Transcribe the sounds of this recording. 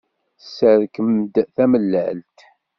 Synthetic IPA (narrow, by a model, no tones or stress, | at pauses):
səɾkəmd̪θæməlːəʕlt̪